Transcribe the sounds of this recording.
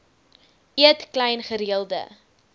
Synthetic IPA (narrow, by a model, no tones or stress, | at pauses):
iətklɛjnχəɾiəlˠdə̰